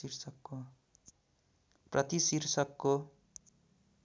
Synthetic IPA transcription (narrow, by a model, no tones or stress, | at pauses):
irsʌkːo | prʌt̪isirsʌkːo